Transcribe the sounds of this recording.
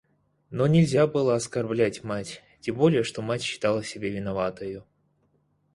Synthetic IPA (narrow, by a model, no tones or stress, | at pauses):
no̞nʲɪlʲzʲabɨlˠəɐskɐrblʲætʲmatʲ | tʲembo̞lʲɪjəʂt̪o̞matʲɕːɪ̥t̪alˠəsʲɪbʲevʲɪnɐvat̪əjʊ